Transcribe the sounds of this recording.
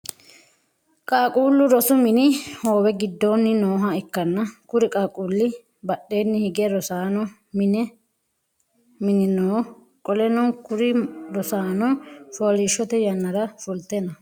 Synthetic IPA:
kʼaːkʼuːlːʊɾɔsʊmɪnɪhoːwɛɡɪd̪ːoːnːɪnoːɦɐɪkːɐnːɐkʊɾɪkʼaːkʼuːlːɪ | bɐɗːe̞ːnːɪhɪɡɛɾɔsaːnɔ | mɪnɛ | mɪnɪnoː | kʼɔlɛnɔkʊɾɪɾɔsaːnɔfoːlɪʃːɔt̪ɛjɐnːɐɾɐfʊlt̪ɛnɐ

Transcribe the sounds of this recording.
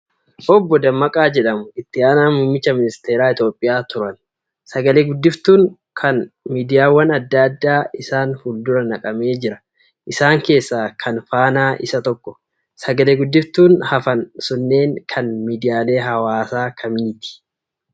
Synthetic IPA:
ʔɔbːɔd̪ɐmːɐkʼaːd͡ʒɛᶑɐmʊɪt̪ːɪaːnaːmʊːmːɪt͡ʃːɐmɪnɪst̪e̞ːɾaːɪt̪jo̞ːpʼːɪjaːt̪ʊɾɐn | sɐɡɐleːɡʊd̪ːɪft̪uːŋ | kʰɐnmiːd̪ɪjaːwːɐnɐd̪ːad̪ːaːɪsaːnfʊld̪ʊɾɐnɐkʼɐme̞ːd͡ʒɪɾɐ | ʔɪsaːŋke̞ːsːaːkʰɐnfaːnaːʔɪ̰sɐt̪ɔkːɔ̥ | sɐɡɐleːɡʊd̪ːɪft̪uːnhɐfɐnsʊnːe̞ːŋkʰɐnmiːd̪ɪjaːle̞ːɦɐwaːsaːkʰɐmiːt̪ɪ̥

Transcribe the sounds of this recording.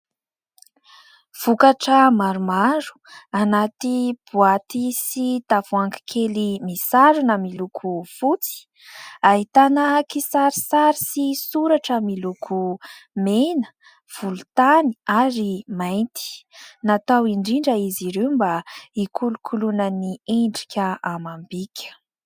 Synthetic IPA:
v̥ukaʈ͡ʂəmaɾumaɾu̥anat̪ib̥uat̪isit̪avuaŋki̥kʰelimisaɾunəmilukʰufut͡si̥ | aɦit̪anəkisaɾisaɾisisuɾaʈ͡ʂəmilukʰumenə̥ | v̥ulut̪ani̥aɾimajnt̪i̥nat̪awiɳɖ͡ʐiɳɖ͡ʐəiziɾembaikʰulukʰulunənieɳɖ͡ʐi̥kʲəamambikʲʰə̥

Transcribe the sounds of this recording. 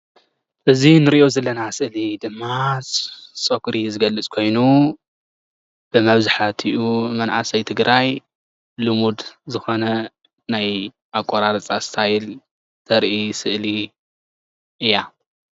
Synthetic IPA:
ʔɨzinɨɾiʔozɐlːɐnasɨʔlid̪ɨmːa | t͡sʼɐkɾizɨɡɐlːɨt͡sʼkʰo̞jnu | b̥ɨmɐβzaħat̪ʰiʔumɐnʕasɐjt̪ʰɨɡɾʔaj | lɨmud̪zɨxo̞nɐ | naj | ʔakʼːoɾaɾɐt͡sʼast̪ʰajɪl | t̪ʰɐɾʔisɨʔli | ʔɨjːa

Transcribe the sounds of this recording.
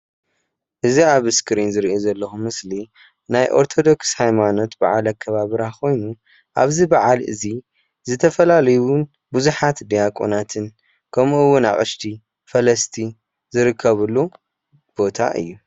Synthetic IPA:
ʔɨziaβɨskʰɨɾinzɨɾiozɐlːɐxumɨsli | najʔo̞̰ɾt̪ʰo̞d̪o̞kshajmano̞t̪ba̰ʕalɐkʰːɐβaβɨɾakʰo̞jnu | ʔaβzibaʕalʔɨ̰zi | zɨt̪ʰɐfɐlalɐjuun | buzuħat̪d̪ijakʼo̰nat̪ʰɨn | kʰɐmʔɨwːʊna̰χʼɨʃt̪ʰi | fɐlɐst̪ʰi | zɨɾɨkʰːɐβɨlːu | b̥o̞t̪ʰa̰ʔɨ̰jːu

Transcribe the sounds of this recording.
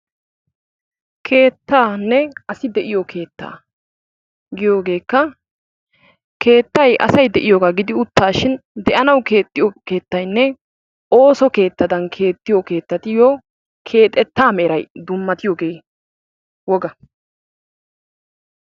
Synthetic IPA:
kʰe̞ːt̪ːaːnːɛɐsɪd̪ɛʔɪjɔkʰe̞ːt̪ːa̰ː | ɡɪjoːɡe̞ːkːɐ | kʰe̞ːt̪ːɐjʔɐ̰sɐjd̪ɛʔɪjoːɡaːɡɪd̪ɪʊt̪ːaːʃɪnd̪ɛʔɐnɐwke̞ːt̪ːɪjɔke̞ːt̪ːɐjnːɛ | ʔo̞ːsɔke̞ːt̪ːɐd̪ɐnkʰe̞ːt̪ːɪjɔke̞ːt̪ːɐt̪ɪjo | kʰe̞ːt̪ʼɛt̪ːaːmɛːɾɐjd̪ʊmːɐt̪ɪjoːɡe̞ː | wɔɡɐ

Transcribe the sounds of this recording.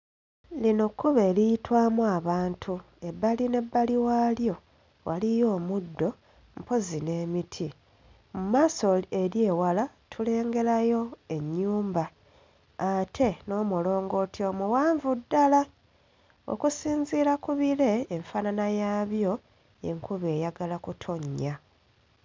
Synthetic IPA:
lino̞kːuβe̞ːlijitwaːmuaβaːntʰu | e̞bːaline̞bːaliwaljo̞ | wʔalijo̞ːmudːo̞ | mpo̞zine̞ːmitʰi | mumaːso̞eɾje̞ːwalatʰule̞ːŋɡe̞ɾajo̞e̞ɲːuːmbaː | tʰe̞no̞ːmulo̞ːŋɡo̞tio̞muwaːɱvudːala | o̰kusiːɲziːlakuβile̞ːɱfananajaːβjo̞ | ḛŋkʰuβe̞ːjaɡalakutʰo̞ɲːa

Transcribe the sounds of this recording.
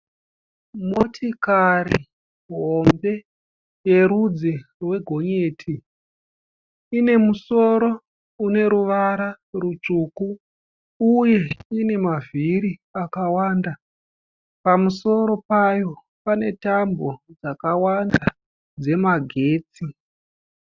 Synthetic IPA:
motʰikaɾi | ɦo̞mbe̞ | je̞ɾud͡zerwe̞ɡʱo̞ɲe̞ːtʰi | ine̞muso̞ɾo̞ | une̞ɾuʋaɾa | rut͡ʂuːkuː | je̞ine̞maviɾiakawaːnda | pamuso̞ɾo̞pajo̞ | pane̞tambo̞d͡zakawanda | d͡ze̞maɡʱe̞ːt͡si

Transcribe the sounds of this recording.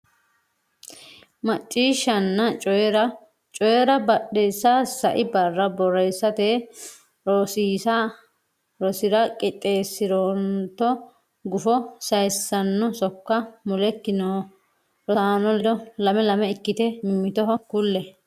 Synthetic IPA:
mɐt͡ʃʼːiːʃːɐnːɐt͡ʃʼɔjɛɾɐ | t͡ʃʼɔjɛɾɐbɐɗejsːasɐʔɪbɐrːɐbɔɾɛjsːɐt̪e | ɾɔsiːsa | ɾɔsɪɾɐkʼɪt̪ʼe̞ːsːɪɾoːnt̪ːɔ | ɡʊfɔsɐjsːɐnːɔsɔkːɐmʊlɛkːɪnoː | ɾɔaːnɔɔlɐmɛlɐmɛɪkːɪt̪ɛmɪmːɪt̪ɔɦɔkʊlːɛ

